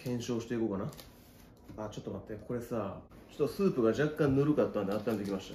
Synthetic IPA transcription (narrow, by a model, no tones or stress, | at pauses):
kʰẽ̞ɰ̃ɕo̞ːɕi̥t̪e̞ikoːkana | at͡ɕo̞t̪ːomat̪ːekʰo̞ɾe̞saː | t͡ɕo̥t̪ːosɨːpɯ̟ɡaʑakːãnnoɾɯ̟kat̪ːãnd̪eat̪ːãnd̪e̞kʲimaɕi̥t̪a